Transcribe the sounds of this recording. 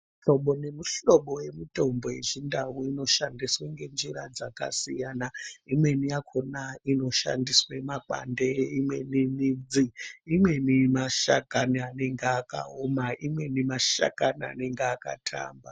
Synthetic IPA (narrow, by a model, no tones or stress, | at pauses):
ɬo̞ɓo̞ne̞muɬo̞ɓo̞je̞muto̞mbojḛʐindawuino̞ʃandisweŋɡe̞nd͡ʒiɾad͡zaka̰sijanaimwe̞nijakʰonaino̞ʃa̰ndiswemak͡pa̰ndeimwe̞ninid͡ziːmwe̞nimaʃakaniane̞ŋɡeaka̰omaʔimwe̞nimaʃa̰kania̰ne̞ŋɡeaka̰tʰa̰ːmba